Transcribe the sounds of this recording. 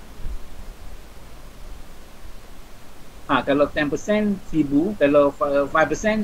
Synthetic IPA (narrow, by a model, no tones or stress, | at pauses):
hãkalat̪ɛ̃npəsɛ̃nfibukaloffajfpəsɛ̃n